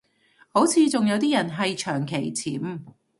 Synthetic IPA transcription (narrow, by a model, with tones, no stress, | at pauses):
ho˨˥wt͡sʰiː˨˧t͡sʊ˨ŋjɐ˨˧wt̪iː˥jɐ˨˩nɦɐ˨jt͡ʃʰœː˨˩ŋkʰe˨˩jt͡sʰiː˨˥m